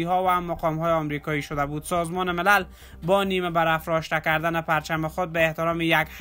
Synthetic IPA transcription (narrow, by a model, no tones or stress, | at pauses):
iɦɒvamaqɒmɦɔːjeɒmɾikɒjiʃod̪abud̪sɒzmɒnɪmɪlal | bɒnimebaɾafɾɒʃt̪akaɾd̪anɪpaɾt͡ʃamɪxod̪̚baeht̪ɪɾɒmijaɡh